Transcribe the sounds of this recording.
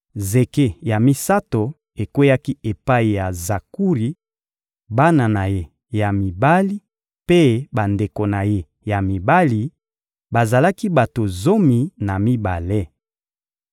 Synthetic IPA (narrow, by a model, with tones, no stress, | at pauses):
ze˨ke˦ja˨mi˦sa˦to˨ | e˨kwe˦ja˦ki˦e˨pa˦i˨ja˨za˨ku˦ʁi˨ | ba˦na˨na˨je˦ | ja˨mi˨ba˦li˦ | pe˦ba˨nde˨ko˨na˨je˦ | ja˨mi˨ba˦li˨ | ba˨za˨la˦ki˦ba˨to˨zo˦mi˨na˨mi˦ba̰˨le˦